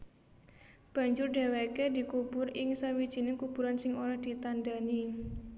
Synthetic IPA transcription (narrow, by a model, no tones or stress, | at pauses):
b̥ä̤ɲd͡ʒʊrɖe̤wekedi̤kub̥ʊrɪŋsawid̥ʒ̥i̤nɪkub̥ṳɾansɪŋoɾahd̪̥i̤t̪anda̤ni